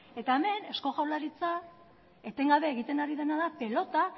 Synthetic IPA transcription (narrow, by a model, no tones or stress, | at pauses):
e̞t̪aeme̞ne̞sko̞ʝawlaɾit͡sa | e̞t̪e̞ŋɡaβe̞ːɣ̞it̪e̞naɾiðe̞naðape̞lo̞t̪a